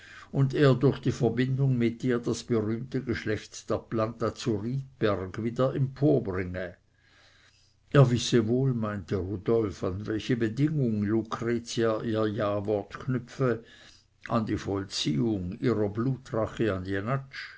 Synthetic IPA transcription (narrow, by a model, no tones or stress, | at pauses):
ʊndeːɐdʊɐçd̥iːfɛɐbɪndʊŋmɪtiːɐdasb̥əʁyːmtəɡəʃlɛçtd̥eːɐplantat͡suʁiːt̚b̥ɛʁɡviːdɐɛmpʰoːɐbʁɪŋə | ʔeːɐvɪsəvoːlmaɪntəʁud̥ɔlfanvɛlçəbədɪŋʊŋlukʁ̥eːt͡siaʔiːɐjaːvɔɐtkʰnʏfə | ʔandiːfɔlt͡siːʊŋiːʁɐbluːtʁaχəandianat͡ʃ